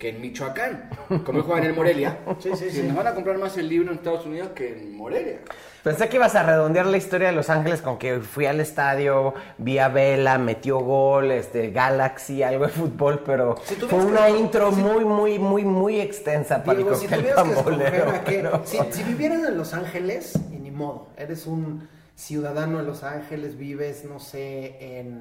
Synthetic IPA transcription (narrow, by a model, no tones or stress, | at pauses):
keːnmit͡ʃoakankomoelxweɣaenelmoɾeljasinoβanakompɾaɾmaselːiβɾoenest̪aðosuniðoskeːnmoɾelja̰ | pe̞nsekeiβasare̞ðo̞nd̪jaɾlaist̪o̞ɾjaðelo̞saŋxe̞le̞sko̞ŋkefwiale̞st̪aðjo | biaβelame̞t̪jo̞ɣolest̪e̞ɣalaksialɣoðefut̪̚bo̞lpe̞ɾo̞sit̪ujfeunaint̪ɾo̞mujmujmujmuje̞kst̪e̞nsapaɾaikot̪elefamboleoakeɾosisiβiβjeɾesenlosaŋxelesenĩmoðoḛɾesun | sjuðaðanoelo̞saŋxele̞zβiβezno̞seen